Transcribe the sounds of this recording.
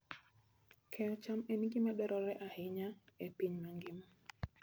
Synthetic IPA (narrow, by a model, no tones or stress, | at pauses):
kʰɛɔt͡ʃamɛniɡimaɗɔɾʔɔɾɛʔahiɲaɛpiɲmaŋɡimɔ